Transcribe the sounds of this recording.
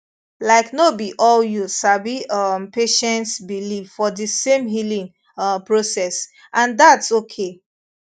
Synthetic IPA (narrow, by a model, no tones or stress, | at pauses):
laɪknobiʔɔljusabiʌmpeʃɛ̃ntsbilivfɔdisẽmɦilĩŋ | pɹosɛs | ʔãndatsokʰe